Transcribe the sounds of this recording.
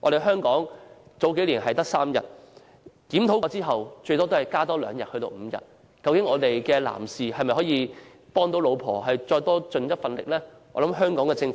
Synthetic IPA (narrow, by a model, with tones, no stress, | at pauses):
ʔɔː˧ɾe˨jɦœː˥ŋkɔː˨˥ŋt͡so˨˥wke˨˥jliː˨˩nɦɐ˨jt̪ɐ˥k̚saː˥mjɐ̰˨t̚ | k̪iː˨˥mt̪ʰo˨˥wɔ˧˥t͡siː˥ɦɐ˨wt͡ʃɵ˧t̪ɔː˥t̪o˥whɐ˨˩jkaː˥t̪ɔː˥lœ̰ː˨˧ŋjɐ˨t̚hɵ˧ɥt̪o̰˧wm̩˨˧jɐ̰˨˩t̚ | kɐ˧wkɪ˨˥ŋɔː˨˧t̪e˨jkɛː˧la̰ː˨˩msiː˨hɐ˨jmɐ˨jhɔː˨˥jiː˨˧ | pɔː˥ŋt̪o˨˥wlo˨˧wpʰɔ̰ː˨˩ɦɐ˨jt͡ʃɔː˧jt̪ɔː˥t͡ʃɵ˧njɐ˥t̚fɐ˧nlɪ̰˨k̚lɛː˥ | ɔ̰ː˨˧lɐ˨˦mɦœː˥ŋkɔː˨˥ŋkɛː˧t͡sɪ˧ŋf